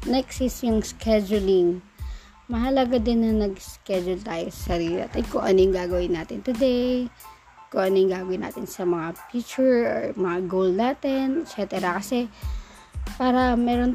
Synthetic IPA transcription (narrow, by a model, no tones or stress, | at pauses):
nɛksɪsjʊŋskɛd͡ʒʊlɪŋ | mɐɦɐlɐɡad̪ɪnːɐnɐɡskɛd͡ʒʊlt̪aːjosɐ̥sɐɾiːlɪna̰ːt̪ɪnkoʔɐ̰nojʊŋɡaːɡɐwɪnːaːt̪ɪnt̪ʊd̪ej | koʔɐnojŋɡaːɡɐwɪna̰ːt̪ɪnsɐmɐŋafjit͡ʃʊɹoɹmɐŋaɡowlnaːt̪ɛnɛt̪t͡ʃɛt̪ɛɾɐkɐsɛ | paːɾɐmɛːɾo̞n